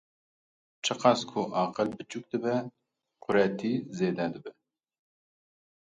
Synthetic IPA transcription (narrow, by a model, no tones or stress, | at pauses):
t͡ʃʰɨqɑskʰʊʔɑːqəlbɨt͡ʃuk̚d̪ɨbɛ | qʰʊɾɛt̪ʰiːzeːd̪ɛd̪ɨbɛ